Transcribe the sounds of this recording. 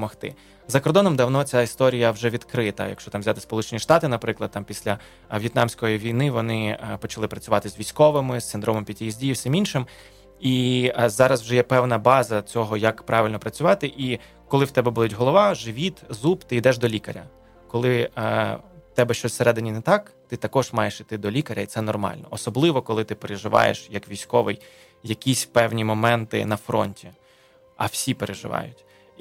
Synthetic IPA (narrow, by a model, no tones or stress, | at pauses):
pɔmɔxt̪ɪ̰ | zɐkɔrd̪ɔnɔmd̪ɐwn̪ɔt͡sʲaist̪ɔɾʲijɐwʒɛʋʲid̪kɾɪt̪ɐ̰jɐ̰kʃt͡ʃɔt̪ɑmzʲat̪ɪ̥spɔlˠut͡ʃenʲiʃt̪ɑt̪ɪnɐpɾɪklˠɐd̪̚t̪ɑmpʲisʲlʲɐ | ʋʲjɪt̪nɑmsʲkɔjiʋʲijnɪʋɔnɪpɔt͡ʃɐlˠɪpɾɐt͡sʲʊʋɑt̪ɪzʋʲijsʲkɔʋɪmɪst̪ɪnd̪ɾɔmɔmpʲid̪̚ʲijizʲdʲijwsʲɪminʃɪm | izɑɾɐzwʒɛjɛpɛwnɐbɑzɐt͡sʲɔɦɔjɐkpɾʔɑʋʲɪlʲnɔpɾɐt͡sʲʊʋɑt̪ɪʔi | kɔlˠɪwt̪ɛbɛbud̪ʊtʲɦɔlˠɔʋɑʒɪʋʲit̪zupt̪ɪid̪ɛʒd̪ɔlʲikɐɾʲɐ̰ | kɔlˠɪ | t̪ɛbɛʃt͡ʃɔsʲseɾɛd̪ɪnʲinɛt̪ɑkt̪ɪt̪ɐkɔʒmɑjeʃit̪ɪd̪ɔlʲikɐɾʲɐitsɛnɔrmɑ̰lʲnɔ̰ɔsɔblˠɪʋɔkɔlˠɪt̪ɪpeɾeʒɪʋɑ̰jḛʃjɐkʋʲijsʲkɔʋɪj | jɐkʲisʲpɛwnʲimɔmɛnt̪ɪ̰nɐfɾɔ̰nʲtʲi | ɐ̰wsʲipeɾʔeʒɪ̰ʋɑ̰jʊtʲ